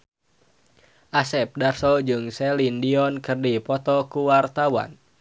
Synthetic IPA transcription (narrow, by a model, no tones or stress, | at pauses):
ʔasɛp̚darsɔd͡ʒɨŋsɛlindiɔnkɨrdipɔt̪ɔkuwart̪awa̰n